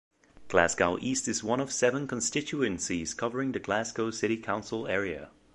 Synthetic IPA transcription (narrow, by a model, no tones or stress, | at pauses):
ɡ̥lasɡoʊʔiˑstɪzwʌ̃nəv̥sɛvə̃nkʰə̃nstɪt͡ʃuə̃nsiz̥kʰʌvəɹɪ̃ŋðəɡlasɡoʊsɪɾikʰãʊ̃nsəlɛːɹiə̰